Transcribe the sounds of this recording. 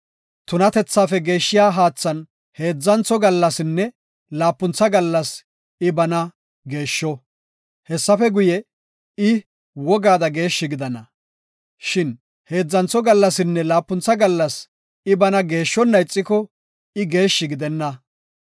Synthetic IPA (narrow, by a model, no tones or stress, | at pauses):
t̪ʊnɐt̪ɛt͡sːaːfɛɡe̞ːʃːɪjaːɦaːt͡sːɐn | he̞ːd͡zːɐnt͡sɔɡɐlːɐsɪnːɛ | laːpːʊnt͡sːɐɡɐlːɐs | ɪbɐnɐ | ɡe̞ːʃːɔ | hɛsːɐfɛɡʊjɛ | ɪ | wɔɡaːd̪ɐɡe̞ːʃːɪɡɪd̪ɐnɐ | ʃɪn | he̞ːd͡zːɐnt͡sɔɡɐlːɐsɪnːɛlaːpːʊnt͡sːɐɡɐlːɐs | ɪbɐnɐɡe̞ːʃːɔnːɐjt͡sʼːɪkɔ | ɪɡe̞ːʃːɪɡɪd̪ɛnːɐ